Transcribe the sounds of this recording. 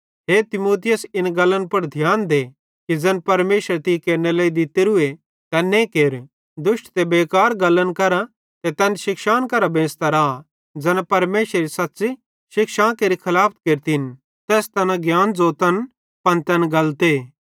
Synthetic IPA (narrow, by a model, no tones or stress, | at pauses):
ɦeːt̪ɪmoːt̪ɪjəsɪnɡɐlːənpɐɽd̪ʱjaːnd̪eː | kid͡zɐnpɐɾmeːʃəɾt̪ikeːɾnelɐid̪ɪt̪eɾʊe | t̪ɛnẽkeːɾ | d̪ʊʃʈt̪ebeːkaːɾɡɐlːənkɐɾa | t̪ɛt̪ɛːnʃɪkʃaːnkɐɾabẽːst̪ɐɾaː | d͡zɐnpɐɾmeːʃɾeɾisɐtːsi | ʃɪkʃãːkeːɾikʰɐlaːpʰt̪keːɾt̪in | t̪ɛːst̪ɐnãɡjaːnd͡zoːt̪ɐn | pɐnt̪ɛnɡɐlt̪e